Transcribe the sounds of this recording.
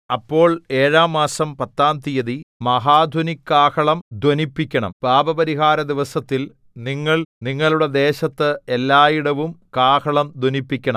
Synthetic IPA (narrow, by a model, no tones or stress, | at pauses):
ɐpːo̞ːɭe̞ːɻaːmːaːsɐmpɐt̪ːaːnt̪ijɐðimɐɦaːd̪ʱɐnikːaːkɐɭɐmd̪ʱwɐnipːikʲːɐɳɐ̰mb̥aːbɐbɐɾiɦaːɾɐd̪iʋɐsɐt̪ːil | niŋːɐɭniŋːɐɭuɽe̞d̪e̞ːɕɐt̪ːɨelːaːjiɽɐʋumkaːkɐɭɐmd̪ʱwonipːikʲːɐɳɐm